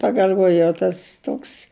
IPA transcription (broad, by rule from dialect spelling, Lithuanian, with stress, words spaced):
pɐɡɐlʲˈʋoːjɛʊ ˈtɐs ˈtoːks